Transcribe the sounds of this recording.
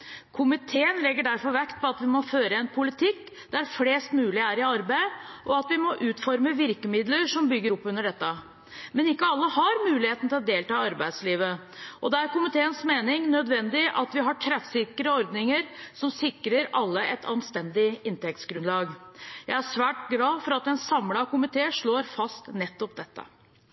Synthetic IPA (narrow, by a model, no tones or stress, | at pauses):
kʰʊmɪt̪ʰeːənlɛɡːəɖæɾfɔɾʋɛkt̪̚pʰɔɑt̪ʋɪmɔføːɾəɛnpʰʊlɪt̪ʰɪkː | d̪̥æɾfleːst̪mʉːlɪæɾɪɑɾbæɪʔɔɑt̪ʋɪmɔʔʉːt̪fɔɾməʋɪɾkəmɪd̪ləɾʂɔmbʏɡːəɾɔpːʉnːəɖɛt̪ːə | mɛnɪkːəɑlːəhɑɾmʉːlɪheːt̪n̩t̪ɪld̪eːlt̪ɑːɑɾbæɪd̪sliːʋə | ʔɔd̪ɛæɾkʊmɪt̪ʰeːənsmeːnɪŋnœd̪ʋɛnd̪ɪʔɑt̪ʋɪɦɑʈʰɾɛfsɪkɾəɔɾd̪nɪŋəɾsɔmsɪkːɾəɾɑlːəʔɛt̪ʰɑnst̪ɛnd̪ɪɪnt̪ɛk̚t̪sɡɾʉnlɑːɡjæɪæʂʋæːʈɡlɑːfɔɾɑt̪ɛnsɑmlɑkʊmɪt̪ʰeːʂɭoːɾfɑst̪nɛt̪ːɔp̚d̪ɛt̪ːə̰